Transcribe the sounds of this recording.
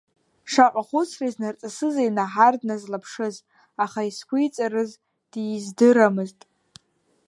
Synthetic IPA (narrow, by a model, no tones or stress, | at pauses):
ʂaqʷʼaχʷʊt͡sʰriznart͡sʼasɨzajnaħardnazlapʰʂɨz | aχaiskʷʊjt͡sʼarɨz | d̥izdɨɾamɨztʼ